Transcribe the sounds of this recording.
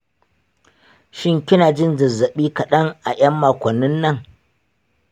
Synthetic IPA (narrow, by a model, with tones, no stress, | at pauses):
ʃɪ˦ŋkʲɪ˦naː˨d͡ʒɪ˦nzɐ˨zɐ˨ɓiː˦kɐ˨ɗɐ˦ŋʔa˨ʔɐ˦mːaː˨kʷɔ˨nːɪ˦nːɐ˦˨ŋ